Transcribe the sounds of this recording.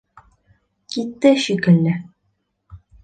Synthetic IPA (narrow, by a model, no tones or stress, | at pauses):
kit̪ːɘʃikɘ̆lːɘ